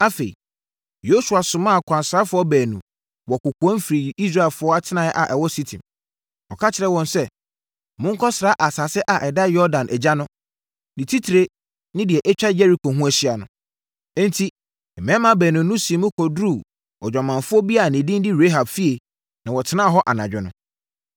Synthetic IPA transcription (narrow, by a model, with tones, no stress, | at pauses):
a˦fḛ˨i˨ | jo˦su˨a˨sʊ̃˨mã˦˨kʷʰã˨nsa˦fʊ˦ɔ˦bæː˨nũ˨ | wɔ˨kʊ˨ku˨ɔ̃˦n˦fɾi˨i˦s̬ɾa˦˨ɛ˨lfʊ˦ɔ˦a˦tʰɪ˦nã˨ɛ˦ʔa̰˨ʔɛ˨wɔ˦si˦tʰḭ̃˨m | ɔ˨kʰa˦t͡ɕʰɪ˨ɾɛ˨wɔ̃˨nsɛ˦ | mʊ̃˦ŋ̩˦kʰɔ˦sɪ˨ɾa˦ʔa˨sa˨sɪ˦ʔa˨ʔɛ˨da˦jɔ˦dã˨nʔɛ˨d͡ʑa˦nʊ̃˦ | nɪ̃˨tʰi˦tʰi˨ɾe˦ | nɪ̃˦dɪ˨ɛ˨ʔɛ˦t͡ɕᶣa˦jɛ˦ɾi˨˦kʰo˨ɦũ˦æ˨ɕi˦a˨nʊ̰̃˨˦ | n̩˦tʰi˦ | ɛ˨mɛ̃˦mã˦bæː˨nũ˨nʊ̃˦si˨˦mʊ̃˦kʰɔ˨dɾu˦˨ | ɔ˨d͡ʑᶣɔ˨mã˨nfʊ˦ɔ˦bi˦a˦˨nɪ̃˨dĩ˦n˦dɪ˦ɾe˦ɦa˨bfi˦e˨ | nã˨wɔ˨tʰɪ˦nã˦˨ɦɔ˦ʔa˨nã˨d͡ʑᶣɪ˦nʊ̃˨